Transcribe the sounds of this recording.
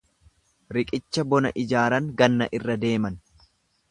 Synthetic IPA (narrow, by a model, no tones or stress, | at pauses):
ɾɪkʼɪt͡ʃːɐbɔnɐ̰ʔɪd͡ʒaːɾɐŋɡɐnːɐʔɪrːɐd̪e̞ːmɐn